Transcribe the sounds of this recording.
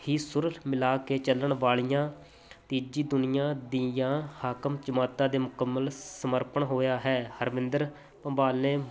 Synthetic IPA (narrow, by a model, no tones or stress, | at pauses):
hiːsʊɾəɦmɪlaːkeːt͡ʃələɳʋaːɭijãː | t̪iːd͡ʒiːd̪ʊnɪjãːd̪ijãːhaːkəmt͡ʃəmaːt̪ãːd̪eːmʊkəmːəlsəməɾpəɳɦoːjaːɦɛːhəɾmɪ̃nd̪əɾ | pəmbaːlːẽː